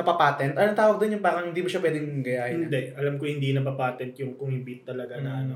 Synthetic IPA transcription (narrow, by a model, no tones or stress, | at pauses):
nɐpɐpaːt̪ɛnt̪ʔɐlɐŋt̪aːwɐɡ̚d̪onjʊŋbaːɾɐŋhɪnd̪iːmʊʃɐpwɛːd̪ɛŋɡɐjaːhɪɪnd̪ɛʔʔɐlamkohɪnd̪iːnɐp̬ɐpaːt̪ɛnt̪jʊŋkʊŋhɪbit̪ːɐlɐɡanɐʔɐno